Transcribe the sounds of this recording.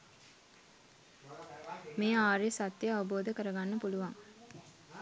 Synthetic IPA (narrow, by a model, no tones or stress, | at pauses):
meːaːɾjesat̪jəaʋəboːd̪əkəɾəɡanːəpuluʋaŋ